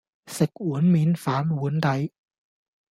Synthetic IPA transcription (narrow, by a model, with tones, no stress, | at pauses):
se˨˩k̚ʔu˨˩˦ənmiː˨˦nfaː˨˦mwu˨˦nda˧˦j